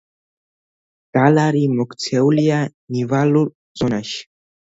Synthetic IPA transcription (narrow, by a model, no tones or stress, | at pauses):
ɡ̥alaɾimɔkt͡sɛwlijanivalu | zonaɕ